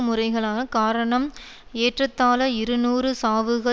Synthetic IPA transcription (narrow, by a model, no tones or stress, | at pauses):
mʊrɐɪɣɐɭaːnɐkaːɾɐɳɐm | eːʈrɐt̪ːaːlɐɪɾɯnuːrɯsaːʋɯɣɐ